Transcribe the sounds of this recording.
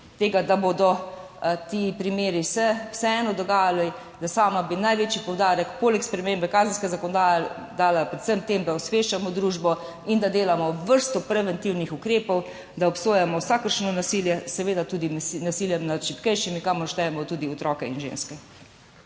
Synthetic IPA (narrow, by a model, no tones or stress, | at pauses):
t̪eːɡad̪abod̪ɔ | t̪iːpɾimeːɾisɛwsɛɛːnɔd̪ɔɡaːjali | d̪asaːmabinajʋeːt͡ʃipɔwd̪aːɾɛkpoːlɛkspɾɛmembɛkaːzənskɛzakoɔnɔd̪aja | d̪aːlapɾɛt̪səmt̪emd̪aɔsʋeʃt͡ʃamɔd̪ɾuːʒbɔ | ind̪ad̪eːlamɔʋəɾst̪ɔpɾɛʋɛnt̪iwnixukɾeːpɔw | d̪aɔpsoːjamɔwsaːkəɾʃnɔnasiljɛsɛʋeːd̪at̪uːd̪imnasiːljɛmnad̪ʃipkɛjʃimikamɔʃt̪ɛɛmɔt̪uːd̪iɔt̪ɾɔːkɛinʒḛnskɛ